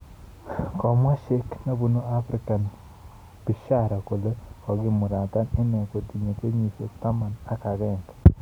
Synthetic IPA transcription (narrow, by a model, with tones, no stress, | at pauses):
kɔ˨mwa˦ʃe˦kna˦bu˦no˦a˦fɾɪ˦ka˨n | b̥i˨ʃa˦ɾa˨ko˨lo˦kɔ˨ɡɪ˦˨mʊ˨ɾa˨t̪a˦nɛ˦nɛ˨ko˨d̪i˨ɲo˨ke˦ɲi˨so˨t̪a˦ma˨na˦ka˨ɡɛ˦˨ŋɡ